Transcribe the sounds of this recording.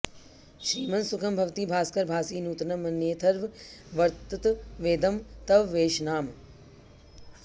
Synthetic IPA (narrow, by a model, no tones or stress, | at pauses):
ʃɾiːmɐnsukʰɐmbʱɐʋt̪ibʱaːskɐɾbʱaːsiːnuːt̪nɐmɐnjeːt̪ʰɐɾʋʋɐɾt̪ut̪ʋeːd̪ɐmt̪ɐʋʋeːʃnaːm